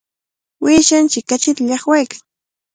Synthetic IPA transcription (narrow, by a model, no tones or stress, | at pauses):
wɪʃant͡ʃɪkːat͡ʃɪt̪aʎɑχwajkḁŋ